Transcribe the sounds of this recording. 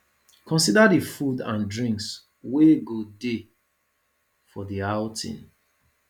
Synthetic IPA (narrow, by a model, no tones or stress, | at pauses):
kʰɔ̃nsidadifudãndɹĩŋks | weɡode | fɔðiaʊtʰḭ̃n